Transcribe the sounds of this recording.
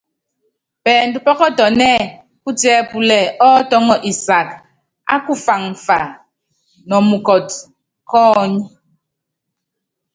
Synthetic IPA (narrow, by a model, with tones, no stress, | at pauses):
pɛː˨n̩˨du˨pɔ˦kɔ˦tɔ˨nɛ˦˨ | ku˦tjɛ˦pu˨lɛ˨ʔɔ˦tɔ˦ŋɔ˦ʔi˨sa˨k | a̰˦ku˦fa˨ŋfa˨ | nɔ˨mu˨kɔ˨t̚ | kɔː˦ɲi˦